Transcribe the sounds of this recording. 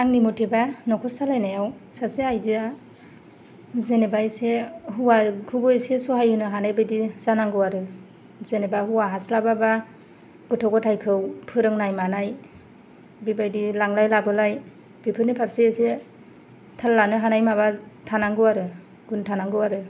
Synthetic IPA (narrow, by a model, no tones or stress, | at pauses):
aŋnimutʰebanɔkʰɔɾsalajnajawsaseajzia | zenebajseɦuwakʰubɔjsesɔɦajhɯnɯɦanajbajdizanaŋɡɯwaɾɯ | zenebahuwaɦaslababa | ɡ̥ɯtʰɔɡɔtʰajkʰɯwpʰɯɾɯŋnajmanaj | bibajdilaŋlajlabɯlaj | b̥ipʰɯnipʰaɾseese | tʰalːanɯɦanajmabatʰanaŋɡɯwaɾɯ | ɡ̥untʰanaŋɡɯwaɾɯ